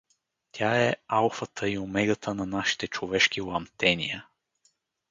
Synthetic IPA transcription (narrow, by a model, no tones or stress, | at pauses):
t̪ʲʰaɛalˠfət̪ʰəiomɛɡət̪ʰənɐnaʃi̥t̪ɛt͡ʃovɛʃkilˠɐmt̪ɛnijə